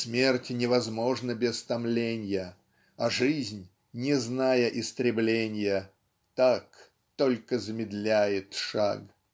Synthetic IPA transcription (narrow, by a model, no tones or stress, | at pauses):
smʲertʲɪnʲɪvɐzmo̞ʐnəbʲɪst̪ɐmlʲenʲjə | ɐʐɨzʲnʲ | nʲɪznajəʔɪst̪ɾʲɪblʲenʲɪjə | t̪ak | t̪olʲkəzəmʲɪd̪lʲæjɪt̪ʂa̰ɡ